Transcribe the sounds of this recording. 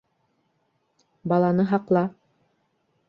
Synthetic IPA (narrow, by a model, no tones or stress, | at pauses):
bɑlˠɑnɤɦɑqlˠɑ